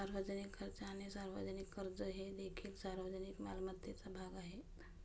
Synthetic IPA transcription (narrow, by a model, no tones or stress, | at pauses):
aɾʋəd͡zənikʰːəɾt͡saːñisaɾʋə̰d͡ʑənikːəɾd͡zəɦed̪ekʰiːlsaɾʋəd͡ʑənikmalmət̪ːet͡sabʱaɡaɦe